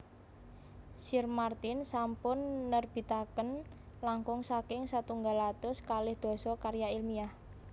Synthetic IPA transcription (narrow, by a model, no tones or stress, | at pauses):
sirmart̪insampʊnːərb̥i̤t̪akən | laŋkʊŋsakɪŋsat̪uŋɡalat̪ʊskalɪhd̪̥o̤sɔkarjailmiah